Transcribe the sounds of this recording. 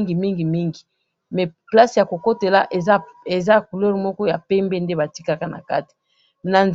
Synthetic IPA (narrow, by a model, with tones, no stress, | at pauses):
ŋɡi˨mi˦ŋɡi˨mi˦ŋɡi˨ | mɛ˨pla˦sja˨ko˨ko˦te˨la˦ʔe˨ze˨za˦ku˨lɛ˦ʁmɔ˦kɔ˦ja˨pɛ˦mbe˦nde˦ba˨ti˦ka˦ka˦na̰˨ka̰˦ti̥˨ | na˨nz